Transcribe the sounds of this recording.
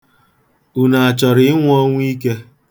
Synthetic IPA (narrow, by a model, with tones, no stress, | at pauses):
u˨na˨a˨t͡ʃɔ˨ɾɪ˨˦ɪ˦ŋʷ˦ɔ˦ŋʷ˦i˦ke˦